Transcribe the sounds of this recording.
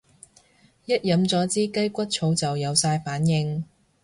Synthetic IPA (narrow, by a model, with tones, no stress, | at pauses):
jɐ˥t̚jɐ˨˧mt͡sɔː˨˥t͡siː˥kɐ˥jkʷɐ˥t̚t͡ʃʰo˨˧wt͡sɐ˨wjɐ˨˧wsaː˧jfaː˨˥njɪ˧ŋ